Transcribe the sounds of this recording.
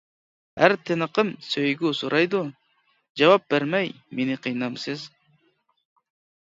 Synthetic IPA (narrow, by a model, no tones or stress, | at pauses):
hæɾt̪ʰɪnɨqʰɨmsøjɡʲusuɾʔɑjd̪u | d͡ʒɑwɑp̚b̥eɾmɛj | menɪqʰijnɑmsɨz